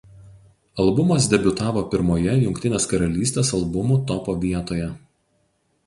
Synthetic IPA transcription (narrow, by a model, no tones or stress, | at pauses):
ɐlˠbʊmɐs̬d̪ʲɛbʲʊt̪ɑːʋoːpʲɪɾmoːjɛjʊŋkʲt̪ʲɪnʲeːskɐɾɐlʲiːst̪ʲeːsɐlˠbʊmʊt̪ɔpoːʋʲiɛt̪oːjɛ